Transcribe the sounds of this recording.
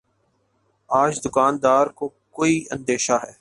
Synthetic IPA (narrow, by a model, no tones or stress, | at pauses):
aːd͡ʒd̪ʊkaːnd̪aːɾkoː | koːiːə̰̃nd̪eːʃaːɦɛː